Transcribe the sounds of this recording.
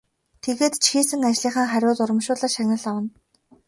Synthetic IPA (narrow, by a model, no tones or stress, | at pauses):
t̪ʰeɣeːt̪t͡ɕʰxiːsɘ̆ŋat͡ɕɮiːχaːŋχæɾʲʊːt̪ʊɾə̆mʃʊːɮăʃanʲə̆ɮɔwə̆n